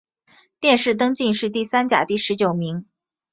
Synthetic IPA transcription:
t̪jɛ˥˧nʂɻ̩˥˩t̪ɤ˥ŋt͡ɕi˥˧nʂɻ̩˥˧t̪i˥˩sa˥nt͡ɕja̰˨˩t̪i˥˩ʂɻ̩˧˥t͡ɕjo˨˩ʊmi˧˥ŋ

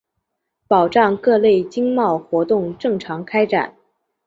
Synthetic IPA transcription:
pɑ˨˩ʊʈ͡ʂɑ˥˧ŋkɤ˥˧le˥˩ɪt͡ɕi˥ŋmɑ˥˩ʊxwɔ˧˥t̪ʊ˥˧ŋʈ͡ʂɤ˥˩ŋʈ͡ʂʰɑ˧˥ŋkʰa˥ɪʈ͡ʂa̰˨˩˦n

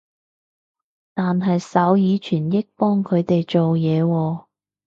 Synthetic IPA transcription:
t̪aː˨nɦɐ˨jsɐ˨˥wjiː˨˧t͡ʃʰyː˨˩njɪ˥k̚pɔː˥ŋkʰɵ˨˧ɥt̪e˨jt͡ʃo˨wjɛː˨˧wɔː˧

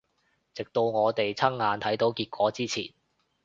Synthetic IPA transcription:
t͡sɪ˨k̚t̪o˧wŋɔː˨˧t̪e˨jt͡sʰɐ˥ŋːaː˨˧nt̪ʰɐ˨˥jt̪o˨˥wkiː˧t̚kʷɔː˨˥t͡siː˥t͡sʰḭː˨˩n

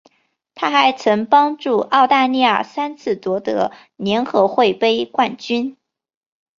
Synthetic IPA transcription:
t̪ʰa˥xa˧˥ɪt͡sʰɤ˧˥ŋpɑ˥ŋʈ͡ʂu˥˩ɑ˥˧ʊt̪a˥˧li˥˧jə̰˥˩sa˥nt͡sʰɹ̩˥˩t͡swɔ˧˥t̪ɤ̰˧˥ | njɛ˧˥nxɤ˧˥xwe˥˩ɪpe˥ɪkwa˥˩nt͡ɕy˥n

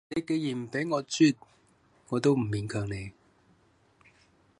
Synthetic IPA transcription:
ne˨˧jke˨˧jjiː˨˩nm̩˨˩pe˨˥jŋɔː˨˧t͡syː˥t̚ | ŋɔː˨˧t̪o˥wm̩˨˩miː˨˧nkʰœː˨ŋne˨˧j

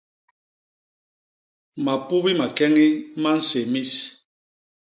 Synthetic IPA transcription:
ma˨pu˦βi˦ma˨kɛ˦ŋi˦ma˦n̩˦se˨mi˦s

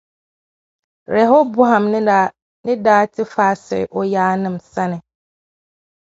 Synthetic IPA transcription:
ɾɛ˨ɦo˦bu˦ɦã˨mnɪ̃˦a˨ | nɪ̃˦daː˦tʰɪ˦faː˦sɪ̰˨ʔɔ˦jaː˦nɪ̃˦msa˦nɪ̃˨

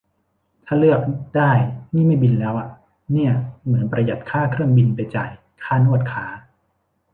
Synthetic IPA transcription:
t̪ʰaː˥˩lɯ˥˩ək̚daː˥˩jniː˥˩ma˥˩jbi˧nlɛː˦˥wʔa˨˩ | ni˥˩ɐmɯ˩˦npɾa˧ja˨˩t̪̚kʰaː˥˩kʰɾɯ˥˩əŋbi˧npa˧jt͡ɕa̰˨˩j | kʰaː˥˩nu˥˩ət̪̚kʰaː˦˥

